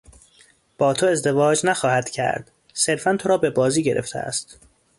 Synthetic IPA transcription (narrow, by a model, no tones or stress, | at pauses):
b̥ɒːt̪ʰo̞e̞zd̪e̞vɒːd͡ʒnæxɒːhæd̪̥cʰæ̰ɾd̪̥ | se̞ɾfænt̪ʰo̞ɾɒːbe̞bɒːziːɟe̞̰ɾʔḛft̪ʰḛæ̰st̪